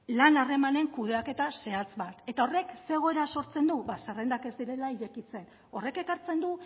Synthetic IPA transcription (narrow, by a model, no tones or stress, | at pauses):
lanare̞mane̞ŋkuðe̞ake̞t̪ase̞at͡sβat̪e̞t̪ao̞re̞kse̞ɣ̞o̞e̞ɾaso̞ɾt͡se̞nd̪uβasare̞nd̪ake̞zd̪iɾe̞laiɾe̞kit͡se̞n | o̞re̞ke̞kaɾt͡se̞nd̪u